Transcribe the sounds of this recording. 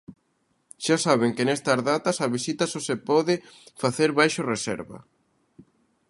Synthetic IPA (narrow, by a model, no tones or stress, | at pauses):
ʃasaβ̞eŋkɪnɛst̪ɐzðat̪ɐsaβisit̪ɐsosepɔðɪfaθeɾβajʃoresɛ̰ɾβɐ̰